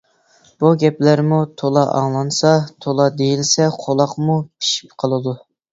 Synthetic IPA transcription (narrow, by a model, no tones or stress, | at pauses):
b̥uɡʲɛplæɾmut̪ʰolˠɑʔɑ̰ŋlˠɑnsɑt̪ʰolˠɑd̪ejilsɛqʰolˠɑqmupʰi̥ʃi̥p̚qʰɑlˠɨd̪u